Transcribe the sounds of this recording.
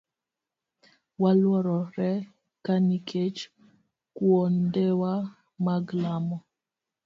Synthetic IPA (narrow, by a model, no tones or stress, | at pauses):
walwɔɾɔɾɛ | kanikʰet͡ʃ | kwɔndɛwa | maɡlamɔ